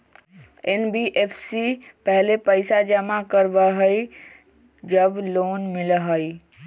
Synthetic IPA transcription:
enbiʔepʰsipəɦlepəɪsad͡ʒəmakəɾbəɦəi | d͡ʒəbloːnmɪləɦəi

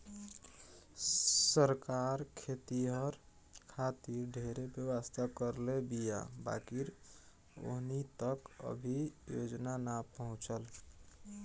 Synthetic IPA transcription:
səɾkaɾkʰet̪iɦəɾ | kʰat̪iɾɖʱeɾebjəwəst̪ʰakəɾlebija̰ba̰kiɾ | o̰ɦnit̪əkə̰bʱijod͡ʒnanapəɦũt͡ʃəl

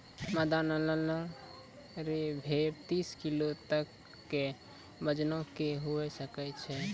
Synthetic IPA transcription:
məd̪anələləɾ | ɾebʱebt̪iskilot̪əkː | e | bəd͡ʒnokeɦuɛsəkɛt͡ʃʰɛ

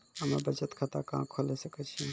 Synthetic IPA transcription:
ɦəmebəd͡ʒət̪kʰat̪akã̰kʰolesəkət͡ʃʰe

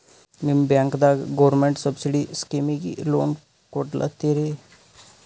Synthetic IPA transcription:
mibjãŋkd̪aɡɡoʋɾɾmeɳʈsəbsiɽiskimiɡḭlo̰n | koʈlʔa̰t̪eɾe

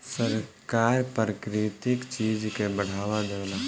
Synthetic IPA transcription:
səɾ | kaːɾpɾəkɾɪt̪ɪkt͡ʃiːd͡ʒkebɐɽ̤aːwad̪eːna

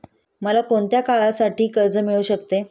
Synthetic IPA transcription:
məlakoɳt̪jakaɭasaʈiːkəɾd͡zəmiɭuːɕəkt̪e

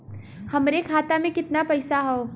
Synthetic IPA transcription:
hɐmɾekʰaːt̪amẽkɪt̪napɐɪsaɦoː

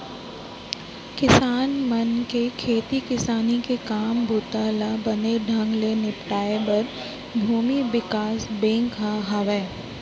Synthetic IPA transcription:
kɪsaːnmɐnkekʰeːt̪ikɪsaːnikekaːmbʱut̪aːlabɐneɖʱɐ̃ŋɡlenɪpʈaːebɐɾ | bʱuːmiʋɪkaːsbẽːŋkɦaɦaʋɛː

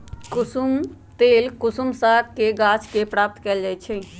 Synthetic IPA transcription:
kʊsum | t̪eːlkʊsumsakkeɡat͡ʃkepɾap̚t̪kɛld͡ʒajt͡ʃʰɛ

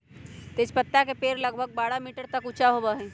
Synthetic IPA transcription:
t̪espət̪ːakepeːɾlɐɡ̚bʱəɡ̚baːɾamiːʈəɾt̪ɐkʊt͡ʃaɦobaɦɛ̃ː

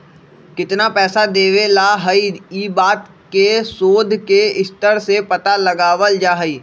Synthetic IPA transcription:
kɪt̪napɛːsad̪eːʋelaɦəiiːbaːt̪ | kesoːd̪ʱkeɪst̪əɾsepɐt̪alɐɡaːʋəld͡ʒaːɦəiː

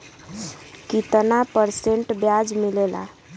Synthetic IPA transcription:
kit̪ənapəɾseɳʈbjad͡ʒmilela̰

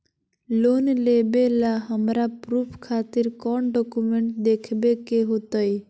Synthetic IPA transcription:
lonlebelaɦəmɾapɾupʰkʰat̪iɾkɔɳɖɔkumeɳʈd̪ekʰbekeɦot̪əj

